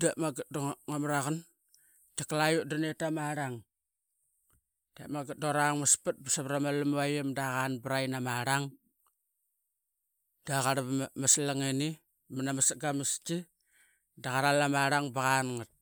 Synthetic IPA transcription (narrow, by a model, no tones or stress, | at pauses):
damaɡat̚doŋŋamɾaɣan | t͡ʃaklajuʔdanetamaɾaŋ | d̥a̰maɡat̚doɾaŋmaspat̚basaβɾamalamajemdaɣanbɾajnamaɾaŋ | daɣaɾβmaslaŋeni | manamasaɡamist͡ʃi | daɣaɾalamaɾaŋbaɣanŋat̚